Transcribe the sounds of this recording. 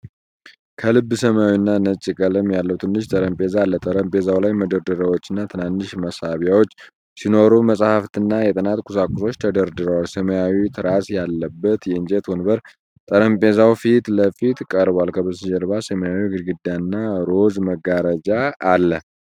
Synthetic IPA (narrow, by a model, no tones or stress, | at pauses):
kʰəlɨbːɨsəmawinːanət͡ʃʼːikʼələmjalːəwt̪ʰɨnːɨʃt̪ʼəɾəmpʼe̞zalːət̪ʼəɾəmpʼe̞zawlajməd̪əɾd̪əɾəwo̞t͡ʃːɨnːat̪ʰɨnanːɨʃməsaβjawot͡ʃː | sino̞ɾuməsʼhaft̪ʰɨnːajɛt̪ʼɨnat̪kʰʼusakʼʊso̞t͡ʃːt̪ʰəd̪əɾd̪ɨɾəwalsəməjawit̪ʰɨɾasjalːəbːət̪jɛɨnd͡ʒʼet̪onbəɾ | t̪ʼəɾəmpʼe̞zawfit̪ləfit̪kʼəɾbwalkʰəβəsɨd͡ʒɛɾβasəməjawiɡɨɾɡɨd̪ːanːaɾo̞zməɡaɾəd͡ʒaːlːə